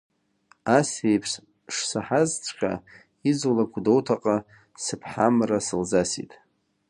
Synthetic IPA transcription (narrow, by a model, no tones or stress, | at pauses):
asejpʰʂ | ʂsaħazt͡ʃʷʰʼkʲʼa̰ | izulakʷʰdowtʰaqʼa | sɨpʰħamrasɨlzasḭtʼ